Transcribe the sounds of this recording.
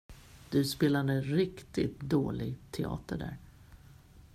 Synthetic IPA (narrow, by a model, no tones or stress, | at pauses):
d̪̥ɵspeːlad̪əɾɪkt̪ɪ̰t̪d̪oːlɪɡt̪ʰɛɑ̰ːt̪əɖæ̰ːɾ